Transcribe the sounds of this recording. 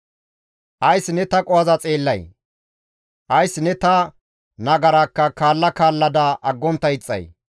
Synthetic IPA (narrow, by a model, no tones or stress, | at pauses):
ʔɐjsːɪnɛt̪ɐkʼɔɐzɐt͡sʼe̞ːlːɐj | ʔɐjsːnɛt̪ɐ | nɐɡɐɾɐkːɐkaːlːɐkaːlːɐd̪ɐʔɐɡːɔnt̪ːɐɪt͡sʼːɐ̰j